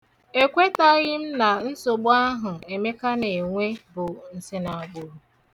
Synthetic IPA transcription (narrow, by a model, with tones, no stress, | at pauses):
e˦kʷe˦ta˦ɣɪ˦m̩˦na˨n̩˦so˨ɡ͡bʊ˦a˦ɦʊ˨e˨me˦ka˦ne˨ŋʷe˦bʊ˨n̩˨sɪ˦na˨ɡ͡bʊ˨ɾu˨